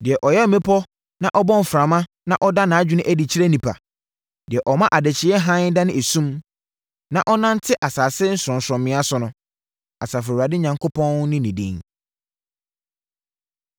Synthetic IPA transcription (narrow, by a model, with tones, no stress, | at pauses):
dɪ˨ɛ˨ʔɔ˨jɛ˦˨mẽ˦pʰɔ˦ | nã˦ʔɔ˦bɔ̃˦m˨fɾã˨mã˦ | nã˦ʔɔ˦da˦nã˨˦d͡ʑᶣɪ˨˦nɪ̃˦ʔæ˦di˨t͡ɕʰi˦ɾæ˦nĩ˨pʰa̰˨ | dɪ˨ɛ˨ʔɔ˨mã˦ʔa˨dɛ˨t͡ɕʰɪ˨˦ɛ˦ɦã˦n˦da˦nɪ̃˦˨e˨sũ˦m | nã˨ʔɔ˦nã˦n˦tʰɪ˦ʔa˨saː˨sɪ˦n̩˦sʊ˨ɾɔ̃˨n˨sɾɔ̃˨mːɪ̃˦a˦sʊ˨nʊ̃˦ | a˨saː˨fɾɛ˨u˨ɾa˨dɪ˦ɲã˨ŋkʰo˦pʰɔ̃˦nnɪ̃˦nĩ˨dḭ̃˦ŋ